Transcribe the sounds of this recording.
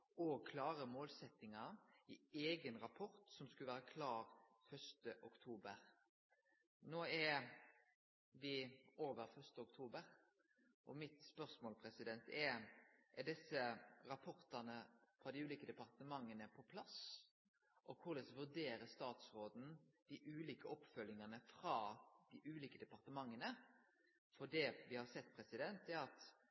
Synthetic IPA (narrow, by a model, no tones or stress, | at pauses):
ɔkʰlɑːɾəmoːlsɛt̪ːɪŋɑɪeːɡənɾɑpʰɔɾt̪sɔmskʉləʋæːɾəkʰlɑːɾ | fœʂt̪əʔʊkt̪ʰuːbəɾ | noːɛ | ʋɪoːʋəɾfœʁʂt̪əʊkt̪ʰuːbəɾ | ʔɔmɪt̪spœʁsmoːlpʰɾɛsɪd̪ɛnt̪ɛʔɛd̪ɛsːəɾɑpʰɔɾt̪ɑnəfɾɑːd̪ɪʉːliːkəd̪ɛpɑɾt̪əmɑŋːənəpʰɔpʰlɑs | ʔɔkʰʊlɛsʋʉʁd̪eːɾəst̪ɑːt̪sɾoːd̪n̩d̪̥ɪʔʉːliːkəɔpːfœlːɪŋənəfɾɑːd̪̥ɪʔʉːliːkəd̪ɛpɑɾt̪əmɑŋːənə | fɔd̪ɛʋɪhɑɾsɛt̪ːpʰɾɛsɪd̪ɛnt̪ɛɾɑt̪